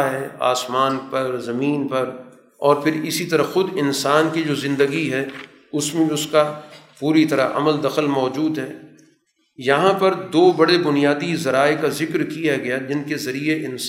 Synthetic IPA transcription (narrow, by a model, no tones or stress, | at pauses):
ɦɛːa̰ːsmaːnpɐɾzɐmiːnpɐɾ | ɔːɾpʰɪɾɪsit̪ɐɾaxʊd̪ɪnsaːnkid͡ʒoːzɪ̃nd̪əɡiɦɛː | ʊsmẽbiʊskapuːɾit̪ɐɾa̰ʔɐ̰məld̪ɐxəlmɔːd͡ʒuːd̪ɦɛː | jɐɦãpɐɾd̪oːbɐɽebʊnijaːd̪izɐɾaːekazɪkɾkijaɡɐjad͡ʒɪnkezɐɾieʔɪn